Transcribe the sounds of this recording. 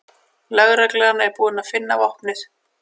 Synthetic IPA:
lœɣɾaklɛɣanːaɛɾpuːðɪnaðfɪnːavɔhpnɪθ

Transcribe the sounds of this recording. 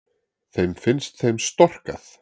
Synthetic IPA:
θejmfɪnst̪θejmst̪ɔr̥kaθ

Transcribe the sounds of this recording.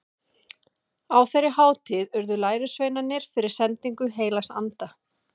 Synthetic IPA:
awθerːɪhaːwt̪ʰɪðʏɾðʏlaːjɾʏsveːjnanːɪɾ̥fɪɾɪɾ̥sɛnt̪iŋkʏɦeːjlasa̰nt̪a

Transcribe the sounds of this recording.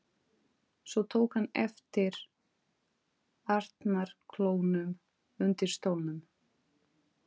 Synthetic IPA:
svɔt̪ʰoːwkhanːɛ̰ft̪ɪɾ̥ | aɾ̥t̪naɾ̥kʰloːwnʏm | ʏnt̪ɪɾ̥st̪owlnʏm

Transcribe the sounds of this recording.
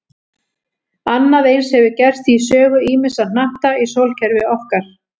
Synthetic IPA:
anːaðejnshɛvɪcɛr̥t̪isœːɣʏiːmɪsanaht̪aisowlcʰɛɾvɪɔfkaɾ̥

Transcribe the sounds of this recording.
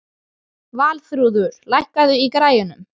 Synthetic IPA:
vaːlθɾuːðʏɾ̥lajhkaðʏikɾaːjʏnʏm

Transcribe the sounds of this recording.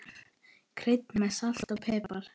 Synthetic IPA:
kʰɾɪjt̪̚nmɛsal̥t̪aɣpʰɛːpal̥

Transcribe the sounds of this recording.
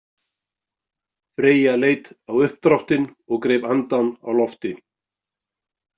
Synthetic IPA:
fɾeːjaleːjt̪awʏhp̚t̪ɾawht̪ɪnɔɣkɾeːjpant̪ana̰wlɔft̪ɪ

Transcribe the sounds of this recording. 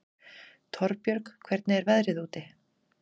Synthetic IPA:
t̪ʰɔɾpjœɾkkʰvɛɾt̪nɪɛɾvɛðɾɪðuːt̪ɪ

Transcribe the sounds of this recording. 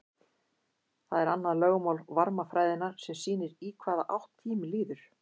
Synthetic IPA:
θaðɛɾanːaðlœːɣmawlvaɾmafɾaːjðɪnːaɾ̥sɛmsiːnɪɾiːkʰvaːðaʔawht̪ʰːiːmɪliːðʏɾ̥

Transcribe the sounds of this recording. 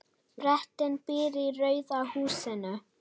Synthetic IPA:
ɾɛht̪ɪnpɪːɾirœɥðahuːsɪnʏ

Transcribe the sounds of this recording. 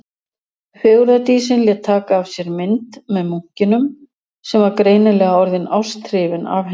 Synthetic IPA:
fjoːwɾat̪iːsɪnljɛt̪ʰːaːkaːv̥sjɛɾmɪnt̪mɛðmuŋ̥cɪnʏm | sɛmvaɾkɾeːjnɪlɛːɣaɔɾðɪnaw̥st̪ɾɪːvɪna̰vh

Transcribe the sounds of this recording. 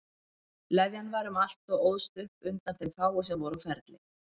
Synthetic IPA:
lɛðjanvaɾʏmal̥t̪ɔɣoːwðst̪ʏhpʏnt̪anθejmfaːwʏs̬ɛmvɔɾawfɛɾt̪lɪ

